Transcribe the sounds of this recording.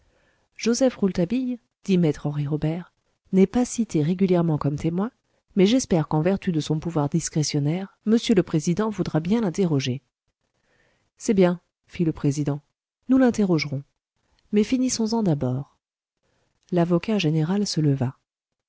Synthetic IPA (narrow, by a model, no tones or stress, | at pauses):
ʒ̥ozɛfʁult̪abij | d̪̥imɛt̪χɑ̃ʁiʁɔbɛʁ | nɛpasit̪eʁeɡʲyljɛʁmɑ̃kɔmt̪emwɛ̃ | mɛʒɛspɛʁkɑ̃vɛʁt̪yd̪əsɔ̃puvwaʁd̪iskχesjɔnɛʁ | məsjøləpχezid̪ɑ̃vud̪ʁabjɛ̃lɛ̃t̪eʁɔʒe | sɛbjɛ̃ | filəpχezid̪ɑ̃ | nulɛ̃t̪eʁɔʒʁɔ̃ | mɛfinisɔ̃zɑ̃d̪abɔːʁ | lavɔkaʒeneʁalsələva